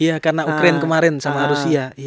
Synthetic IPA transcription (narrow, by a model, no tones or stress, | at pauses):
ijakarnaukɾankəmaɾɛnsamaɾusiai